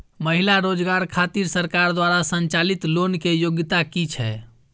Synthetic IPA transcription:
məɦilaɾod͡ʒɡaɾkʰat̪iɾsəɾkaɾd̪waɾasənt͡ʃalit̪lonkejoɡt̪akit͡ʃʰɛ̰

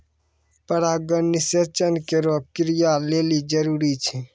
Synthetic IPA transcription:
pəɾaɡəɾniset͡ʃənkeɾob̚kɾijalelid͡ʒəɾuɾit͡ʃʰɛ

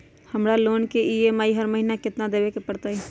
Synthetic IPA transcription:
həmɾaloːnkeiemaːiɦəɾməɦinakɪt̪nad̪eːʋekepəɽt̪ai

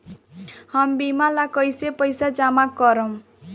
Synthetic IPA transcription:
hambimalakʌjsepʌjsad͡ʒamakːʌɾʌm

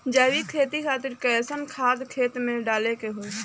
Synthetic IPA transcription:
d͡ʒaːʋikʰeːt̪ikʰaːt̪ɪɾkɛsənkʰaːd̪kʰeːt̪mẽɖaːlekeɦo

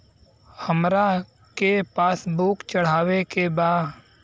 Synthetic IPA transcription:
həmɾa | kepaːsbukt͡ʃəɽ̤aːʋekebaː

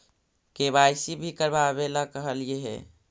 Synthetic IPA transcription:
kebajsibʱikəɾbabelakəɦəlijeɦɛ̰

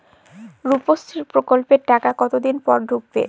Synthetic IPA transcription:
ɾupost̪ʰiɾpɾokolpeɾʈakakɔt̪od̪inpɔɾɖʱuɡ̚bḛ

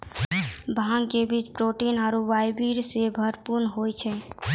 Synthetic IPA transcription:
bʱãŋɡkebit͡ʃpɾoʈinaːɾuʋajbiɾsebʱəɾpuɾnɦojt͡ʃʰɛ

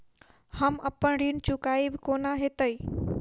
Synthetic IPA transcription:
həməpəɳɽiːnt͡ɕʊkaːibɪkoːnaɦet̪əi

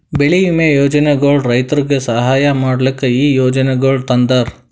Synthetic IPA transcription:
beɭimejoːd͡ʒɐneɡoːɭɖɾɐjt̪ɐɾiɡesɐɦaːjɐmaːɽɐlikːeiːjoːd͡ʒɐneɡoːɭɖt̪ɐnd̪ɐɾ

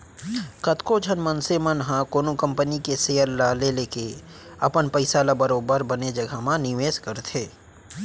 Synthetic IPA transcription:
kɐt̪kod͡ʒʱənmənsemənɦãkoːnukə̃mpənikeseːəɾlaleleːke | ɐpənpəɪsaːlabəɾoːbəɾbɐned͡ʒɐɡʱamãnɪʋeːskəɾt̪ʰeː

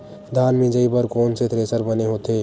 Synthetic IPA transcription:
d̪ʱaːnmẽd͡ʒəibəɾkoːnset̪ʰɾesəɾbəneɦot̪e

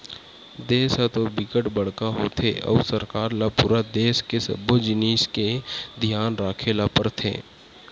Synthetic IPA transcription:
d̪eːsat̪obɪkəʈbəɽkaɦot̪ʰḛʔɔ̰ːsəɾkaːɾlapuɾad̪eːskesə̰bod͡ʒɪniːsked̪ʱjaːnɾaːkʰelapəɾt̪ʰḛː

